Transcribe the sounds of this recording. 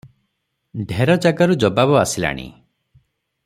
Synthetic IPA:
ɖʱeɾɔd͡ʒaɡaɾud͡ʒɔbabɔasila̰ɽ̃ḭ

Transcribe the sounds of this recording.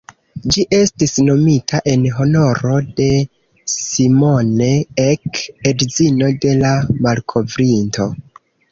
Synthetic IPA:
d͡ʒiʔe̞stisno̞mitʰaʔe̞nɦo̞no̞ɾo̞de̞ | simo̞neekedzino̞de̞lamalkʰo̞vɾinto̞

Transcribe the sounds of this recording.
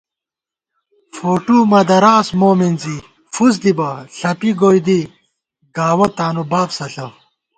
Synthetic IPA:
foːʈumɐd̪ɐɾaːsmoːminzi | fus̬d̪ibɐɬɐpiɡoːjd̪i | ɡaːwɐt̪aːnubaːbsɐɬɐ

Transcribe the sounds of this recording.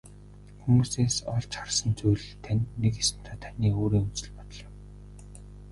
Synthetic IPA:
xumuːseːsɔɮt͡ɕχarsə̆nt͡sujɮt̪ʰænʲːekesɘ̆n̥t̪ʰaːt̪ʰaniːoːɾiːŋɵnt͡sɘ̆ɮpɔt̪ɞ̆ɮjɪ̆m

